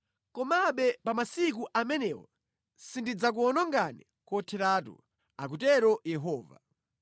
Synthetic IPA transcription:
kɔmaɓɛpamasik̬uʔamɛnɛwɔ̰ | sindid͡zak̬uɔnɔŋɡanɛ | kɔtʰɛɾaːtṵ | ak̬utɛɾɔjɛɦɔːva̰

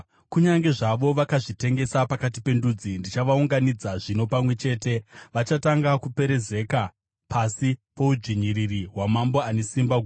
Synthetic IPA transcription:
kuɲaŋɡe̞ʐaʋo̞ʋakaʐite̞ŋɡe̞sapakat̬ipe̞ndud͡zindit͡ʃaʋauŋɡanid͡zaʐino̞pamwe̞t͡ʃe̞ːte̞ʋat͡ʃataŋɡakupe̞ɾe̞ze̞ka | pʰasipo̞ud͡ʒiɲiririɦwamambo̞ane̞simbaɡʱu

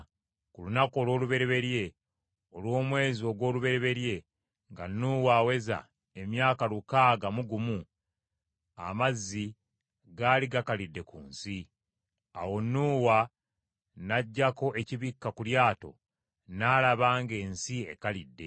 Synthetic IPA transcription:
kulunako̞ːlwoːluβe̞ɾeβe̞ɾje̞ | o̞lwo̞ːmwe̞ːzio̞ːɡwo̞ːluβe̞ɾe̞βe̞ɾje̞ | ŋɡa̰nːuːwaːwe̞za̰ | e̞mjaːkalukaːɡamuɡumu | a̰mazːi | ɡaːliɡakalidːe̞kṵːnsi | a̰wo̞nːuːwa | naɟːako̞ʔe̞ciβikːakuljaːto̞̰ | naːlaβaːŋɡe̞ːnsie̞kalidːe̞̰

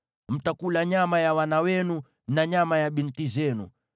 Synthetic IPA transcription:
m̩takulaɲamajawanawɛnu | naɲamajaɓintizɛnṵ

